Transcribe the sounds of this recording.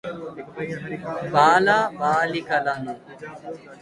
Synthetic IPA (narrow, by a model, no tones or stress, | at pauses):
baːlaːbaːlikɐlanũː